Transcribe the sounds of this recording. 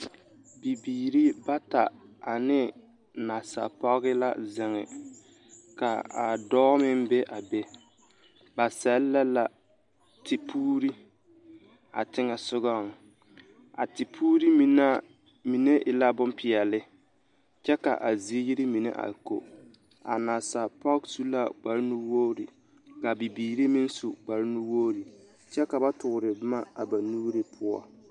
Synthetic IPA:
bi˨biː˨ɾi˦ba˦ta˨a˨nɪ˦ | na˨sa̰˨pɔ˦ɣɪ˦la˦zɪ˨ŋɪ̰˨ | ka˨a˨dɔː˦mɪ˦m˦be˦ʔa˨be˦ | ba˨sɛ˦llɛ˦la˨ | tʰɪ˨pʰuː˦ɾi˦ | a̰˨tɪ˦ŋɛ˨sʊ˦ɣɔ˦˨ŋ˨ | a̰˨tɪ˨pʰuː˦ɾi˦mi˨na˦ | mi˨ne˦ʔɪ˨la˦bʊ˦mpɪ˨ɛ˨lɪ˦ | t͡ʃɛ˦ka̰˨ʔa˨zi˨e˦ji˦ɾɪ˦mi˨nḛ˦ʔa̰˨ko̰˨ | a̰˨naː˨sa˨pɔ˦ksu˦la˦ɡ͡ba˨ɾnu˦woː˦ɾḭ˨ | ka˨bi˨biː˨ɾe˦mi˦n˦su˨ɡ͡ba˨ɾnu˦wo˦ɾi˨ | t͡ʃɛ˦ka˨ba˦tʊ˨ʊ˨ɾɪ˨bɪ˦ma˦a˨ba˨nuː˦ɾe˦pʰʊ˦ɔ̰˨

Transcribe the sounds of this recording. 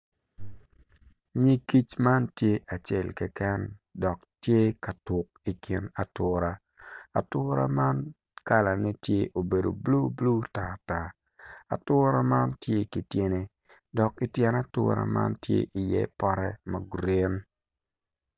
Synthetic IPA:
ɲi˦ki˦t͡ʃma˦ntje˦ʔa˨t͡ʃe˦˨lkɛ˦kɛ˦ndɔ˨ktje˦ka˨tʊ˨ki˨kʰi˨na˨tʊ˨ɾa˦ | a̰˨tʊ˦ɾa̰˦ma˦n | ka˦la˨nɛ˦tje˦ʔo˨be˨do̰˨blu˦blu˦ta˨ta˨ | a̰˨tʊ˦ɾa˦ma˦ntje˦ki˨tje˦ne˦ | dɔ˨ki˦tjɛ˨na˦tʊ̰˦ɾa̰˨ma̰˦ntjḛ˦ʔi˨jɛ̰˦pɔ˦ɾɛ˦mɐ˨ɡɾe˦n

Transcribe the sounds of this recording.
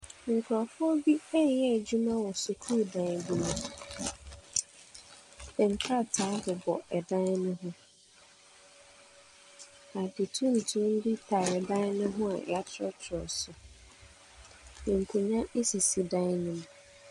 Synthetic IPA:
ŋ̩˨kʰɾɔ˨fʊ˦ɔ˦bi˦ɛ˦jɛ˦˨d͡ʑu˦mã˦wɔ˨sʊ˨kʰu˦˨dã˨n˨bu˦mã˨ | bɛ̃˨ŋ̩˨kʰɾa˦˨tʰaː˨˦bʊ˨bɔ˨ɛ˨dã˦n˦nʊ̃˦ɦʊ̃˦ | a˨dɪ˨tʰũ˦n̩˨tʰũ˦n̩˦di˦tʰa˨ɛ˨dã˦nʊ̃˦ɦʊ̃˦a̰˨a˦tʰɾɔ˦tʰɔ˨sʊ˨ | ĩ˨ŋ̩˨kʰu˨ɲã˦e˦si˨si˨dã˦nĩ˨m

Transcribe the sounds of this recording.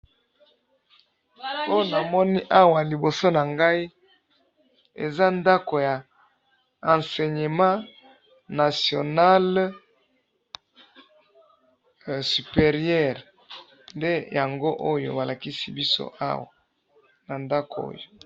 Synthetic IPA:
o˦jo˦na˨mɔ˦ni˦ʔa˦wa˨li˨bo˨so˦na˨ŋɡa˦i˦ | ḛ˨za˦nda˦ko˨ja˨ | ã˨nse˨ɲe˨mã˦ | na˨sjo˨na˦l | sy˨pe˨ʁi˦ɛ˦˨ʁ | nde˦ja˨ŋɡo˦ʔo˦jo̰˨ba˨la˨ki˦si˦bi˦so̰˦ʔa̰˦wa˨ | na˨nda˦ko̰˦jo˨

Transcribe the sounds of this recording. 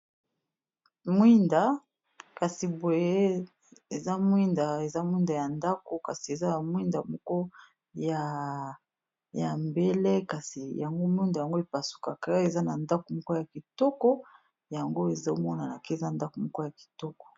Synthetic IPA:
mwi˦nda˨ | ka˨si˨bo˨je˦ | e˨za˦mwi˦nda˨e˨za˦mwi˦nda˨ja˨nda˦ko˨ka˨si˨e˨za˦na˨mwi˦nda˨mɔ˦kɔ˦ | ja˨ | ja˨mbe˦le˦ka˨si˨ja˨ŋɡo˦mwi˦nda˨ja˨ŋɡo˦e˨pa˨su̥˨ka˨ka˦e˨za˦na˨nda˦ko˨mɔ˦kɔ˦ja˨ki˨tɔ˦kɔ˦ | ja˨ŋɡo˦e˨za˦o˦mɔ˦na˨na˨ke˦e˨za˦nda˦ko˨mɔ˦kɔ˦ja˨ki̥˨tɔ˦kɔ̥˨

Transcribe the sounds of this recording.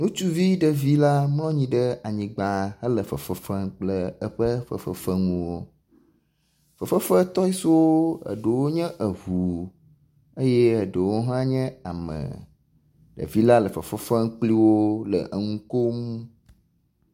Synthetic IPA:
nũ˦t͡ʃu˦vi˦ɖə˨vi˦la˦mlɔ̃˦ɲĩ˦ɖə˦a˨ɲĩ˨ɡ͡ba˨ɦə˦lə˨fə˨fə˨fə˦ŋk͡plə˦ə˦ɸə˦fə̰˨fə̰˨fə˦ŋũ˦wo˦ | fə˨fə˦fə˦t̪ɔ˦i˦so˦wo˦ə̰˨ɖə˨wo˦ɲɛ̃˦ʔə˨ɦu˨ | e˦jɛ˦ə˨ɖə˨wo˦ɦã˦ɲɛ̃˦a˨mə̰̃˨ | ɖə̰˨vi˦la˦lə˨fə̰˨fə˦fə˦ŋk͡pli˦wo˦lə̰˨ʔə˨ŋũ˦ko˦mũ˦

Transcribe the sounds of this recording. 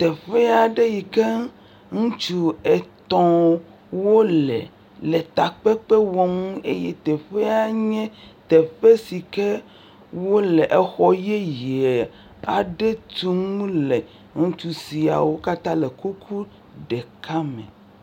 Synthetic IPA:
t̪e˨ɸe˦a˨ɖe˦ji˨ke˦ | ŋũ˦t͡ʃu˦e˨t̪ɔ̃˦ | wo˦lḛ˨ | le˨t̪a˨k͡pe˦k͡pe˦wɔ˦ŋũ˦e˦je˦t̪ɛ˨ɸe˦a˨ɲɛ̃˦t̪e˨ɸe˦si˨ke˦ | wo˦le˨ʔe˨xɔ˦je˦je˨ | a˨ɖe˦t̪u˦ŋũ˦le˨ | ŋũ˦t͡ʃu˦si˨a̰˨wo˦ka˦t̪ã˦le˨ku˦kʰu˦ | ɖe˨ka˦mḛ̃˨

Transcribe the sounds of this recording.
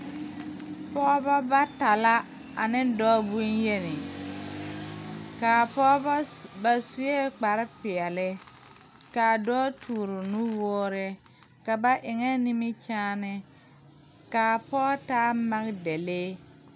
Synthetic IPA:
pɔ˦bɔ˦ba˦ta˨la˦ | a˨nɪ˦n˦dɔː˦bu˦nje˦nɪ˨ | kaː˨pɔ˦bba˨su˨je˦k͡pa˨ɾɪ˦pɪ˨ɛ˨lɪ˦ | ka˨dɔː˦tʰuː˨ɾʊ˨nu˦wɔː˦ɾɪ˦ | ka˨ba˦ʔɪ˨ŋɛ˦ni˦mɪ˦t͡ʃaː˦nɪ˦ | kaː˨pɔ˦taː˦ma˦ɣde˨leː˦

